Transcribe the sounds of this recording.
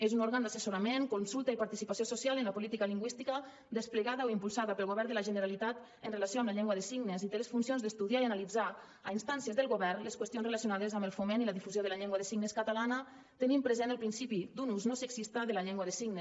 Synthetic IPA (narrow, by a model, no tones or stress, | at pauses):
ezunoɾɣand̪asəsoɾameŋkonsulˠt̪aipaɾt̪isipasiososialənləpolit̪ikaliŋɡwist̪ikə | d̪əspləɣaðaoimpulˠsaðəpəlˠɣoβɛɾðəlaʒənəɾalit̪at̪ | ənrelasioamləʎɛŋɡwaðəsiɣnezit̪eləsfunsionzðəst̪uðiaianalid͡za | ainst̪ansjəzðəlˠɣoβɛrnləskwəst̪iõnzrelasjonaðəzambəlˠfomeniləðifuzjoðəlaʎɛŋɡwaðəsiɡnəskat̪alanə | t̪ənimpɾəzenəlˠpɾinsipid̪unuznosəksist̪aðəlaʎɛŋɡwaðəsiɡnes